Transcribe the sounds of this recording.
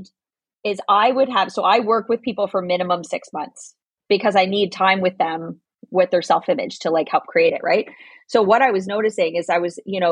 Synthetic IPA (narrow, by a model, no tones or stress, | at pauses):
ɪzaɪwɨd̚əv̥soʊʔaɪwɜ˞kwɨð̥pʰipl̩ˠfə˞mɪ̃ñɨmə̃msɪksmʌ̰̃nθs | b̥ɨkʰʌzaɪnid̚tʰãɪ̃mwɨðɨ̃m | wɪðə˞sɛlˠfɪ̃mɨ̰d̥ʒ̥tʰəlaɪkhɛlˠp̚kʰɹ̥ieɪɾɨ̰ʔ̚ɹa̰ɪt̚ | soʊwʌɾaɪwʌznoʊɾɨsɪ̃ŋɨzaɪwʌzjɨñoʊ